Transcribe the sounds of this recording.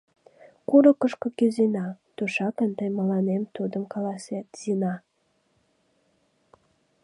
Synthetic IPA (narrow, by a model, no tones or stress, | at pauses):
kuɾəkəʃkokyzenɑt̪uʃɑkənt̪əjməlɑnemt̪ud̪əmkɑlɑsvʲæt̪z̥inɑ